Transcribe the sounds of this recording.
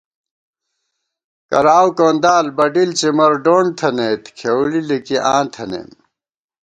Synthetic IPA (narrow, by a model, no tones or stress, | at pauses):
kɐ̰ɾaːwkoːnd̪aːlbɐɖilt͡ɕimɐɾɖoːɳt̪ʰɐnet̪kʰewlilikiʔã̰ːnt̪ʰɐnḛːm